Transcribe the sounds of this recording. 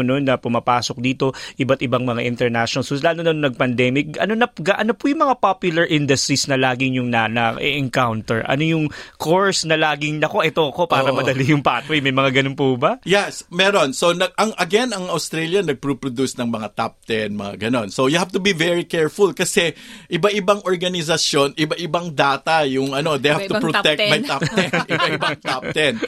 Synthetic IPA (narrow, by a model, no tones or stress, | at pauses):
nonːɐpʊmapaːso̞k̚d̪iːt̪o̞ʔɪbat̪ɪbaŋmɐŋaʔɪ̃nt̪ɛɹnaʃnsoslaːnonɐnŋnɐɡ̚pɐnd̪ɛmɪk̚ɐ̰nonɐɡaʔɐnopʊjʊŋmɐŋapapjʊlɐɹʔɪnd̪ɐst̪isnɐlaːɡɪŋjʊŋnɐnɐʔɛ̰ʔɛŋkawnt̪ɛɹʔɐ̰no̞jʊŋkʰoɹsnɐlaːɡɪŋnɐko̞ʔɛt̪o̞ʔɐko̞paːɾɐmɐd̪ɐlijʊŋpaːt̪ojmɐjmɐŋaɡɐnonpubɐjɛsmɛɾo̞nsonɐɡ̚ʔɐŋɐɡɛnɐŋɐwst̪ɾɛljɐnɐɡ̚pɾupɾod̪usnɐŋmɐŋat̪ap̚t̪ɛnmɐ̰ŋa̰ɡɐno̞nsojʊhaft̪ʊbivɛɹikɛɹfʊlkɐsɛʔɪbaʔɪbɐŋʔoɹɡɐnɪs̬ɐsjo̞nɪbɐʔɪbɐŋd̪aːt̪ɐjʊŋʔɐnod̪ejhavt̪ʊpɹot̪ɛk̚t̪̚mɐjt̪at̪ɛnʔɪbbɐʔɪbɐŋt̪ap̚t̪ɛn